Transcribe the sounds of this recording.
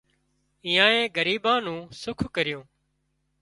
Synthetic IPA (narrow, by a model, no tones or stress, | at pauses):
iːjãːẽːɡəɾiːbãːnũːsʊkʰkəɾɪjõː